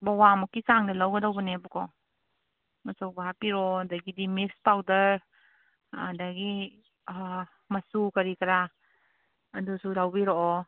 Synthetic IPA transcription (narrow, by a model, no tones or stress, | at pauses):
bɔwamɔkisaŋdalawɡadawbɔnebɔkɔ | masɔwbaɦapiɾɔdaɡidimispawdəɾ | daɡi | masukaɾikaɾa | dusudawbiɾɔʔɔ